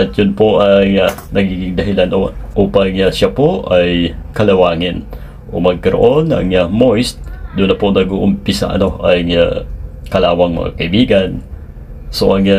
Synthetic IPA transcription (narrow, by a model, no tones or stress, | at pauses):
ʔɐt̪̚jʊnpoʔajŋanɐɡiːɡɪŋd̪ɐɦɪlanʔoʔuːpaŋjaʃapoʔajkɐlɐwaːŋɪn | ʔo̰mɐɡ̚kɐɾoʔonɐ̰ŋamojst̪̚d̪ʊnːɐponɐɡoʔʊmpisa̰ʔɐ̰noʔajŋakɐlaːwɐŋmɐ̰ŋa̰kɐibiːɡan | soʔɐŋa